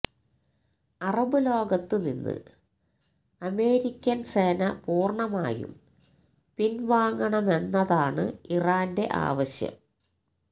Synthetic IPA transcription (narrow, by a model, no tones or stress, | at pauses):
ɐrɐbɨlo̞ːɡɐt̪ːɨninːɨ̰ | ɐme̞ːɾikʲːɐnse̞ːnɐpuːrɳɐmaːjṵm | pinʋaːŋɡɐɳɐme̞nːɐðaːɳɨiraːnde̞ʔa̰ːʋɐɕjɐ̰m